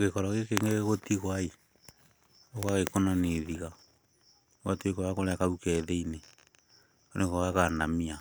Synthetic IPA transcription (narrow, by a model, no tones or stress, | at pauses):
ɡekɔɾɔɣekeŋɡeɣɣotiɣwai | oɣaɣekonaneðiɣa | ɣatwekoakoɾɛkaukɛðɛine | onekoɣakaːndamia